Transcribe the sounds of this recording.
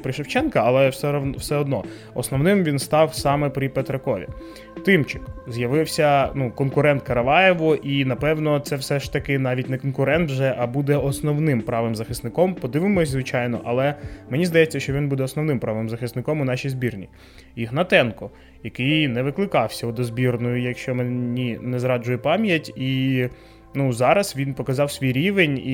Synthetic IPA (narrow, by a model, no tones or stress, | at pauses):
pɾɪʃewt͡ʃɛnkɐɐlˠɛsɛwsɛɔd̪nɔ̰ | ɔsnɔwnɪmʋʲinst̪ɑwsɑmɛpɾʲipɛt̪ɾɐkɔʋʲḭ | t̪ɪmt͡ʃɪkzjɐʋɪwsʲɐnukɔnkʊɾɛnt̪̚kɐɾɐʋɑjɛʋʊʔinɐpɛwnɔt̪sɛwsɛʃt̪ɐkɪnɑʋʲitʲnɛkɔnkʊɾɛnt̪ʒɛʔɐbud̪ɛɔsnɔwnɪmpɾɑʋɪmzɐxɪst̪nɪkɔmpɔd̪ɪʋɪmɔsʲzʋɪt͡ʃɑjnɔ̰ʔɐlˠɛmenʲizd̪ɐjɛt͡sʲːɐʃt͡ʃɔʋʲinbud̪ɛɔsnɔwnɪmpɾɑʋɪmzɐxɪst̪nɪkɔmʊnɑʃʲijzbʲirnʲi | iɦnɐt̪ɛnkɔ | jɐkɪjnɛʋɪklˠɪkɑwsʲɐɔd̪ɔzbʲirnɔjʊjɐkʃt͡ʃɔmenʲinɛzɾɑd͡ʒʊjɛpɑmʲjɐtʲi | nuzɑɾɐsʋʲinpɔkɐzɑwsʲʋʲijɾʲiʋenʲi